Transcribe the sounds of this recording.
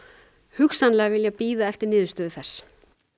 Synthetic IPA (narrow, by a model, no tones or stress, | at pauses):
hʏksanlɛːɣavɪljapiːðaɛft̪ɪɾnɪːðʏst̪œːðʏθɛsː